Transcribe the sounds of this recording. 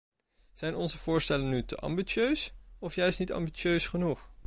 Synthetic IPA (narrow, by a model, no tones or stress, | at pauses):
z̥ɛjnɔnzəvʊːɹstɛlənːytəʔɑ̰mbit͡ʃøɥsɔfjœɥstnitɑ̰mbit͡ʃøɥsχənuχ